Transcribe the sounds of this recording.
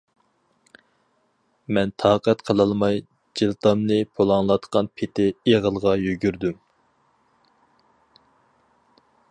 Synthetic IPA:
mɛnt̪ʰɑːqɛt̪qʰəlˠɑlˠmɑj | d͡ʒilˠt̪ɑmnɨpʰolˠɑŋlˠɑt̪qʰɑnpʰet̪ʰɪeʁəlˠʁɑjyɡʲyɾd̪ym

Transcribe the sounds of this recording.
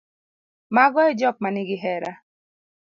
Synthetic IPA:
maɡɔɛd͡ʒɔk̚manɪɡɪɦɛɾa

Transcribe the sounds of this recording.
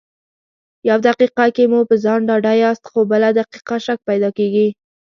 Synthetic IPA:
jawd̪aqiqakemupəzɑnɖɑɖajɑst̪xobəlad̪aqi̥qaʃak̚pajd̪ɑkeɡi

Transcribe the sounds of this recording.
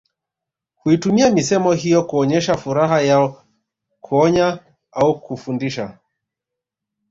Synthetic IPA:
huitumiamisɛmɔɦijɔkuɔɲɛʃafuɾaɦajaɔ | kʰuɔɲa | aukufundiʃa

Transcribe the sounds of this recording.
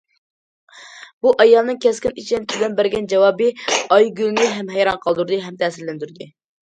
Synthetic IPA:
b̥uʔɑjɑlˠnɨŋkʲʰɛskʲinit͡ʃʰint̪ʲʰyd̪ɛnbæɾɡʲɛnd͡ʒɛwɑːbɨɑjɡʲylnɪɦɛmɦɛjɾɑnqʰɑlˠd̪uɾd̪ɨɦɛmt̪ʰɛsɪɾlɪnd̪yɾd̪ɨ

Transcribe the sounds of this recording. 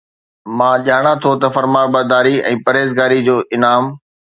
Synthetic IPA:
mãːʄaːɽ̃at̪ʰot̪ɐfɐɾmaːɾbɐd̪aːɾiɛ̃ːpɐɾeːzɡaːɾid͡ʑoːʔɪnaːm

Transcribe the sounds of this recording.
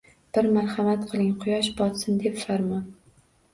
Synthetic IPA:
b̥ɪɾmaɾhamat̪qʰɨlˠɪŋqʰʊjɒʃbɒt̪sɪnd̪e̞pfaɾmɒn

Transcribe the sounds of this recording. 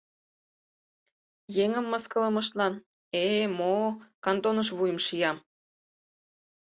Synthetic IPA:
jeŋə̆mːəskə̆ləmə̆ʃ̬t̪lɑn | emokɑnt̪onəʃ̬βujəmʃijɑm

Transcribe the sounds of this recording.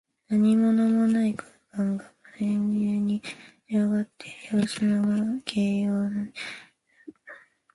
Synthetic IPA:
naɲ̟imo̞no̞mo̞naiko̥ | kãŋɡamaɾenʲɨːɲ̟i | ɾoɡat̪ʰːe̥joːsɨnoɡakʰeːjoːna

